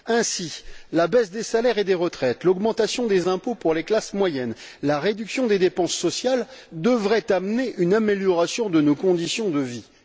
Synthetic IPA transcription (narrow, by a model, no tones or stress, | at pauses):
ɛ̃silabɛsd̪esalɛʁed̪eʁət̪χɛt̪lɔɡmɑ̃t̪asjɔ̃d̪ezɛ̃popuʁleklasmwajɛnlaʁed̪yksjɔ̃d̪ed̪epɑ̃sːɔsjald̪əvʁɛt̪amneʔynameljɔʁasjɔ̃d̪ənokɔ̃d̪isjɔ̃d̪əvi